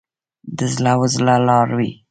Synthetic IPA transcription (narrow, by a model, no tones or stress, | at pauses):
d̪əzlawəzlalɑɾwi